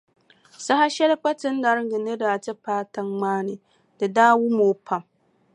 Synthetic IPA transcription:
sa˦ha˦ʃɛ˦lɨ˦k͡pa˦tɨ˦n˦da˨ɾɡɨ˨nɨ˦daː˨tɨ˦paː˦ta˦ŋŋ͡maː˦nɨ˨ | dɨ˨daː˦wu˦moː˨pʰa˨m

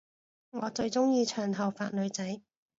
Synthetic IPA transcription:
ŋɔː˨˧t͡ʃɵ˧ɥt͡sʊ˥ŋjiː˧t͡ʃʰœː˨˩ŋɦɐ˨˩wfa̰ː˧˨t̚lɵ˨˧ɥt͡sɐ˨˥j

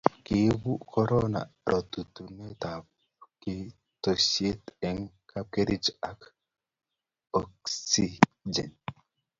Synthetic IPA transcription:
kɪ˨˦bu˦kʰɔ˦ɾɔ˦na̰˨ɾʔɔ˨t̪u˨t̪u˨nɛ˦t̪a˨bɔ | kɪ˦ | to˨sje˦t̪ɛ˨ŋka˦ke˦ɾi˦d͡ʒa˨k | ɔ˨ksi˦d͡ʒɛ˨n

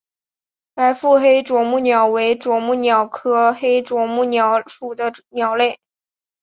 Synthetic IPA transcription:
pa˧˥ɪfu˥˩xe˥ɪʈ͡ʂwɔ˨˩mu˥˩njɑ˨˩ʊwe˧˥ɪʈ͡ʂwɔ˨˩mu˥˩njɑ˨˩ʊkʰɤ˥xe˥ɪʈ͡ʂwɔ˨˩mu˥˩njɑ˧˩˥ʊʂu˨˩d̪ə˦njɑ˨˩ʊle˥˩ɪ

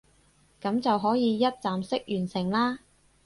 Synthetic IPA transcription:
kɐ˨˥mt͡sɐ˨wɦɔː˨˥jiː˨˧jɐ˥t̚t͡saː˨msɪ˥k̚jyː˨˩nsɪ˨˩ŋlaː˥

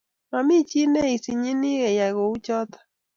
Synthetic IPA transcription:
ma˨mi˦˨t͡ʃi˦nɛ˦i˨si˨ɲɪ˦nɪ˦ɣɛ˨ja˨ɣo˨u˦t͡ʃɔ˦tḁ˨

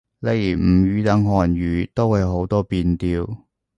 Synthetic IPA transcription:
le˨˥jm̩˨˩jyː˨˧t̪ɐ˨˥ŋɦɔː˨njyː˨˥t̪o˥whɐ˨˧jɦo˨˧˥wt̪ɔː˥piː˧nt̪iː˧w

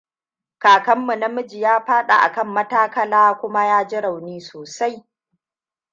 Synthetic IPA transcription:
kaː˨kɐ˦mːu˨nɐ˦mʊ˦d͡ʒi˨jaː˦ɸaː˦ɗa̰˨ʔa̰˨kɐ˦˨mːɐ˦taː˦kɐ˦laː˦kʷʊ˦ma˦jaː˦d͡ʒɪ˦ɽa˨wniː˦soː˨sa˦j

